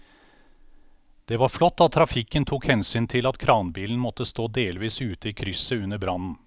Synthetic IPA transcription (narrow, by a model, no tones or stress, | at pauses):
d̪̥ɛʋɑɾflɔt̪ːɑt̪ʰːɾɑfɪkənt̪ʰukhɛnsyːnt̪ʰɪlɑt̪kʰɾɑːnbiːln̩mɔt̪ːəst̪oːd̪eːlʋiːsʉːt̪əiːkʰɾʏsəʉnːəbɾɑnn̩